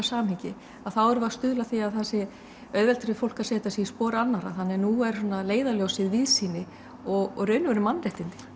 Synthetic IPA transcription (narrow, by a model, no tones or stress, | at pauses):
saːmhiɲcɪ | aðθawɛɾvast̪ʏðlaθiaðθasɪ | œðvɛlt̪ɾɪfowl̥kḁsɛːt̪asiispɔːɾanːaɾaθanːɛnuɛɾ̥sɔnaleːjðaljowsɪðvɪðsiːnɪ | ɔɣrœɥnvɛɾʏmanːrɛht̪ɪnt̪ɪ̥